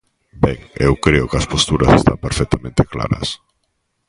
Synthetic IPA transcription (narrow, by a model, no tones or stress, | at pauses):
bɛŋḛwkɾeʊkeɐspost̪uɾɐsest̪a̰mpeɾfɛk̚t̪amẽnt̪ekla̰ɾɐ̰s